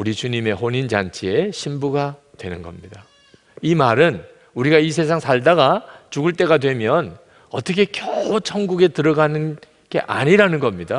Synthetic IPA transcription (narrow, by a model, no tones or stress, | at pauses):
uɾit͡ɕuɲime̞hoɲind͡ʑant͡ɕʰie̞ɕʰimbuɡa | twe̞nɯnɡʌ̰mɲida | imaɾɯn | uɾiɡais̬ʰe̞s̬ʰaŋsʰaɭdaɡat͡ɕuɡɯɭt͈e̞ɡadwe̞mjʌn | ʌt͈ʌkʰe̞kjʌt͡ɕʰʌŋɡuɡe̞tɯɾʌɡanɯn | ɡ̥e̞ʔaɲiɾanɯnɡʌmɲida